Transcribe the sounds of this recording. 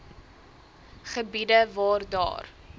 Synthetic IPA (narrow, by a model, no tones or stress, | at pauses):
χəbidəvɑːrdɑ̰ːr